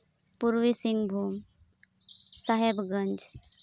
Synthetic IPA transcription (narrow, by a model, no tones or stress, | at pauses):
puɾʋisiŋɡbʱuːm | saɦebɡəɲd͡ʒ